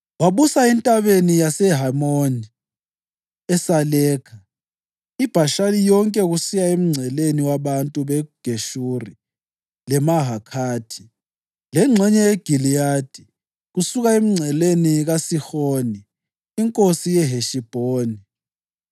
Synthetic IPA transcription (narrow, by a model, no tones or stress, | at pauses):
waβusaintʼaβenijasɛɦamoni | ɛsalɛːkʰa | ib̥ʱaʃalijɔŋkʼɛɣusijaem̩ŋ͡ǀʱɛleniwaβantʼuβɛɡ̥ʱeʃuri | lɛmaɦakʰaːtʰi | lɛŋ͡ǀʱɛɲɛjɛɡ̥ʱilijaːd̥ʱi | ɣusuɣaem̩ŋ͡ǀʱɛleniɣasixoːniː | ŋkʼosijɛɦeʃib̥ʱoːni